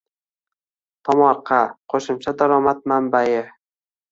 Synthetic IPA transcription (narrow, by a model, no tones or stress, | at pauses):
t̪ʰɒmɒqʰːɑqʰoʃʊmt͡ʃʰad̪aɾɒmat̪̚mambajɪ